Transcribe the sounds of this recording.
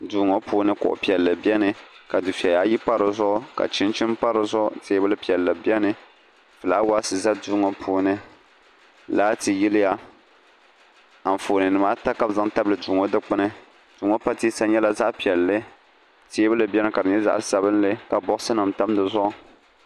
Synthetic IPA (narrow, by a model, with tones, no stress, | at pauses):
duː˨˦ŋo˦puː˦nɨ˦kʊ̰˨ʔʊ̰˨pi˨ɛ˨lːɨ˨bi˦ɛ˦nɨ˨ka˨dɨ˨fi˨ɛ˨jaː˨˦ji˦pa˦ɾɨ˨zʊ˦ʔʊ˦ka̰˨t͡ʃɪ˦nt͡ʃɪ˦mpa˦ɾɨ˨zʊ˦ʔteː˦bɨ˦lɨ˦pi˨ɛ˨lːɨ˨bjɛ˦nɨ˦ | fɨ˨laː˦wa˦sɨ˨za˦duː˦ŋo˨pʰuː˦nɨ˦ | laː˦tɨ˨ji˦lɨ˦ja˦ | a˨foː˨nɨ˨nɨ˨maː˦ta˦ka˦bza˦ŋta˦blɨ˨duː˨ŋo˦dɨ˦k͡pɨ˦nɨ˦ | d̥uː˨˦ŋo˦pa˦tiː˦sa˦ɲɛ˦la˨za˦ʔpi˨ɛ˨lːɨ˦ | teː˦bɨ˦lɨ˨bʲɛ˦nɨ˦ka˨dɨ˨ɲɛ˦za̰˦ʔsa˨bɨ˦nlɨ˦ka˨bɔ˦ʔsɨ˦na˨mta˦mdɨ˨zʊ˦ʔʊ˦